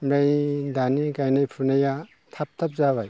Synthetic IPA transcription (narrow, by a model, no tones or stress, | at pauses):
mɾejdanikajnajpʰunaja | tʰap̚tʰap̚zabaj